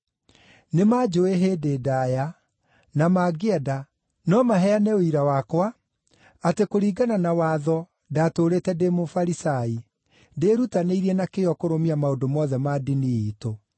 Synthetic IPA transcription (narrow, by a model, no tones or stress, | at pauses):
nemad͡ʒoeɦeːdedaːja | namaːɡeɛda | nɔmaɦɛaneoiɾawakwa | atekoɾiːɡananawaːðɔ | datoɾetɛdemofaɾisai | deɾutaneiɾiɛnakeɔkoɾomiamaodomɔðɛmadiniiːto